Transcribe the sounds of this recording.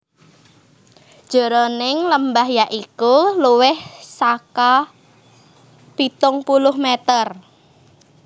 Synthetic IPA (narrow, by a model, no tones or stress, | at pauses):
d̥ʒ̥ɔ̤ɾonɪŋləmbaɦjaʔikuluwɪhsaka | pit̪ʊŋpulʊhmɛt̪ər